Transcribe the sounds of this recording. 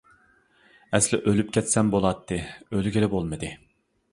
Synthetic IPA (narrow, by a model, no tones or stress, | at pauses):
ɛslɪʔølyp̚kʲʰɛt̪sɛmbolˠɑt̪ʰːɨølyɡʲelɪbolˠmɨd̪ɨ